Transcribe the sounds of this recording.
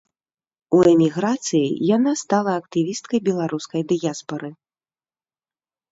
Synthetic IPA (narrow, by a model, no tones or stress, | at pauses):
uɛmʲiɣɾat̪sɨjḭjanast̪alˠɐɐkt̪ɨvʲist̪̚kɐjbʲɛlˠaɾuskɐjd̪ɨjaspɐɾɨ